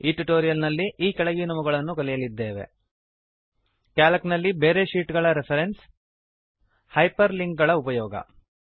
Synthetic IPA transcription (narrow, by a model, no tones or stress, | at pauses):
iːʈuʈoːɾijɐlnɐlːiʔiːkɐɭɐɡijunɐmuɡɐɭɐnːukɐlɛjɐlid̪ːeːʋe̞̰ | kaːlɐknɐlːibeːɾeʃiːʈɡɐɭɐɾepʰɐɾens | hɐjpɐɾliŋɡ̚ɡɐɭɐupɐjɔːɡɐ̰